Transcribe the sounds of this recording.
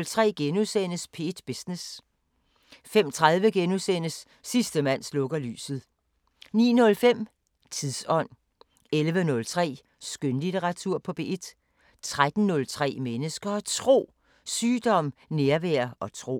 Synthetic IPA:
lt͡sʰʁɛ̰ːɡ̥enusen̰əspʰe̝̰ːd̥b̥esnes | fem̰t͡sʰʁað̞ˠʋəɡ̥enusen̰əsː | isd̥əmæn̰slɔ̽ɡ̥ɐly̰ːsð̩ˠ | nḭːnɔ̽lfem̰ | t͡sʰiðˠsɒ̽n̰ | elʋənɔ̽lt͡sʰʁɛ̰ː | sɡ̥ønlit͡sʰeʁɑ̈t͡sʰuɐ̰pʰɒ̽b̥e̝̰ːd̥ | t͡sʰʁad̥n̩nɔ̽lt͡sʰʁɛ̰ːmenəsɡ̥ɐt͡sʰʁo̝̰ː | syːd̥ɒ̽m̰neɐʋæɐɒ̽t͡sʰʁo̝̰ː

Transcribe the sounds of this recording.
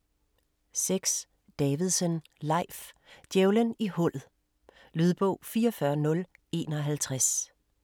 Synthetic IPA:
seɡ̥s | d̥ɛːʋiðˠsən | lɑ̈ɪ̰fd̥jeʊlənihɔ̽l̰ð̩ˠ | lyð̞ˠb̥ɔʊ̰fiːɒfɶɐnɔ̽l | e̝̰ːnɒ̽ɦælt͡sʰʁas

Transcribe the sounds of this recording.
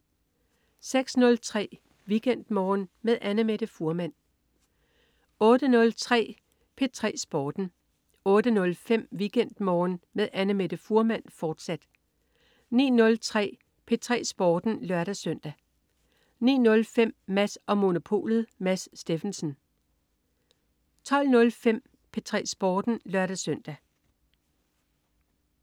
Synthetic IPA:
seɡ̥snɔ̽lt͡sʰʁɛ̰ː | ʋiɡ̥en̰d̥mɒːnmeðˠʔænəmeɾ̥əfuɐmæn̰ | ɔ̽ːɾ̥ənɔ̽lt͡sʰʁɛ̰ː | pʰe̝t͡sʰʁɛ̰ːsb̥ɒːd̥n̩ | ɔ̽ːɾ̥ənɔ̽lfem̰ʋiɡ̥en̰d̥mɒːnmeðˠʔænəmed̥əfuɐmæn̰fɒːd̥sæd̥ | nḭːnɔ̽lt͡sʰʁɛ̰ː | pʰe̝t͡sʰʁɛ̰ːsb̥ɒːd̥n̩lɶɐɾ̥æsœn̰d̥æ | nḭːnɔ̽lfem̰mæsɒ̽mo̝no̝pʰo̝̰ːlð̩ˠmæssd̥e̝fensən̩ | t͡sʰɒ̽l̰nɔ̽lfem̰ | pʰe̝t͡sʰʁɛ̰ːsb̥ɒːd̥n̩lɶɐɾæsœn̰d̥æ

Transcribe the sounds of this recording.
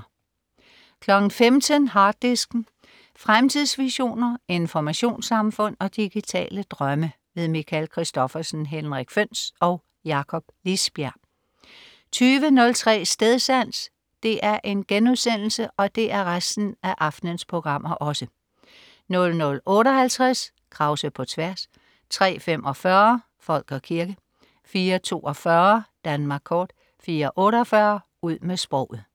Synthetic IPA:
kʰlɒ̽ɡ̥n̩femt͡sʰənɦɑ̈ːd̥ːisɡ̥n̩ | fʁamt͡sʰið̰ˠsʋiɕo̝̰ːnɐe̝nfɒmæɕo̝̰ːnsɑ̈mfɔ̽n̰ɒ̽d̥iɡ̥it͡sʰɛ̰ːləd̥ʁɶmə | ʋe̝ð̞ˠmikʰælkʰʁisd̥ɒ̽fɐsn̩ɦenʁaɡ̥føn̰sɒ̽ʊ | jɑ̈kʰɒ̽b̥lisb̥jæɐ | t͡sʰyːʋənɔ̽lt͡sʰʁɛ̰ːsd̥eð̞ˠsæn̰s | d̥e̝ʔæɐʔe̝nɡ̥enuðˠsen̰l̩səʔɒ̽d̥e̝ʔæɐʁasd̥n̩æʔɑ̈fd̥nənspʰo̝ɡ̥ʁɑ̈m̰ɐʔɒ̽sə | nɔ̽lnɔ̽lɔ̽ːɾɒɦælt͡sʰʁas | kʰʁɑ̈ʊsəpʰɒ̽t͡sʰʋæɐs | t͡sʰʁɛ̰ːfem̰ʔɒ̽fɶːɐ | fɒ̽l̰ɡ̥ɒ̽kʰiɐɡ̥ə | fiːɐt͡sʰo̝̰ːɒ̽fɶːɐd̥ænmɑ̈ɡ̥kʰɒːd̥ | fiːɐʔɔ̽ːɾəɒfɶːɐ | uð̰ˠmesb̥ʁɔ̰ʊ̰ð̩ˠ

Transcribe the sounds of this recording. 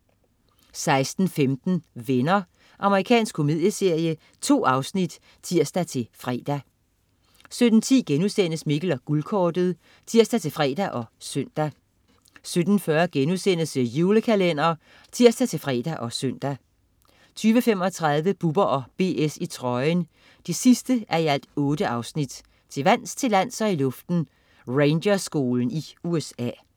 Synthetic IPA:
sɑ̈ɪsd̥n̩femd̥n̩ʋenɐ | ʔɑ̈məʁikʰɛ̰ːnsɡ̥kʰːo̝mið̰ˠjəse̝ɐ̰jə | t͡sʰo̝̰ːɑ̈ʊsnid̥ | t͡sʰiɐ̰sd̥æt͡sʰe̝lfʁɛ̰ːd̥æ | sød̥n̩t͡sʰḭːɡ̥enusen̰əsmiɡ̥əlɒɡ̥ulkʰɒːd̥əð̩ˠ | t͡sʰiɐ̰sd̥æt͡sʰe̝lfʁɛ̰ːd̥æʔɒ̽søn̰d̥æ | sød̥n̩fɶɐɡ̥enusen̰əsəjuːləkʰælen̰ɐː | t͡sʰiɐ̰sd̥æt͡sʰe̝lfʁɛ̰ːd̥æʔɒ̽søn̰d̥æ | t͡sʰyːʋəfem̰ɒ̽t͡sʰʁɑ̈ð̞ˠʋəb̥ub̥ɐʔɒ̽b̥e̝̰ːesit͡sʰʁɒ̽ɪən | d̥isisd̥əʔæɐiæl̰d̥ɔ̽ːd̥əʔɑ̈ʊsnid̥ | t͡sʰe̝ʋæn̰st͡sʰe̝læn̰sɒ̽ilɔ̽fd̥n̩ | ʁeɪndɐsɡ̥o̝ːln̩iuesɛ̰ː

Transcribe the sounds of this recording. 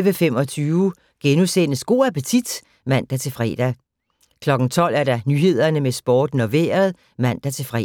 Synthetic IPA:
ʋəfem̰ɒ̽t͡sʰyːʊ | ɡ̥enusenəsɡ̥o̝ːɐæpʰət͡sʰid̥ | mæn̰d̥æt͡sʰe̝fʁɛ̰d̥æ | kʰlɒ̽ɡ̥ŋ̩t͡sʰɒ̽l̰æɐɾ̥ɑ̈nyɦe̝ð̞̰ˠɐnəmesb̥ɒːd̥noʋe̝̰ːɐð̩ˠ | mæn̰d̥æt͡sʰe̝fʁɛ

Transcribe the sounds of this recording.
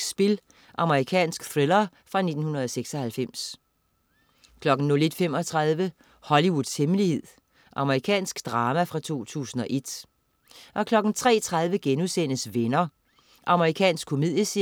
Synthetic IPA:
sb̥e̝l | ʔɑ̈məʁikʰɛ̰ːnsɡ̥θʁelɐfʁɑ̈ne̝d̥n̩hunɐð̞ˠɒ̽seɡ̥sɒ̽hælfem̰s | kʰlɒ̽ɡ̥n̩ːɔ̽le̝d̥fem̰ɒt͡sʰʁɑð̞ˠʋə | hɒ̽liwuð̥ˠshemlihe̝ð̞̰ˠ | ʔɑ̈məʁikʰɛ̰ːnsɡ̥d̥ʁɑ̈ːmæfʁɑ̈t͡sʰo̝̰ːt͡sʰṵːsn̩ɒ̽ʔe̝d̥ | ʔɒ̽kʰlɒ̽ɡ̥n̩t͡sʰʁɛ̰ːt͡sʰʁɑ̈ð̞ˠʋəɡ̥enusenəsʋenɐ | ʔɑ̈məʁikʰɛ̰ːnsɡ̥kʰo̝mið̰ˠjəsi

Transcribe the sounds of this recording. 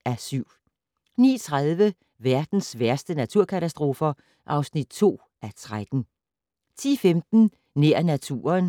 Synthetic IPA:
æsyʊ̰ | nḭːt͡sʰʁaðˠʋə | ʋæɐd̥n̩sʋæɐsd̥ənæt͡sʰuɐ̰kʰæt͡sʰæsd̥ʁo̝ːfɐ | ʔɑ̈ʊsnid̥̚t͡sʰo̝̰ː | ʔæt͡sʰʁad̥n̩ | t͡sʰḭːfemd̥n̩ | neɐ̰næt͡sʰṵːɐn

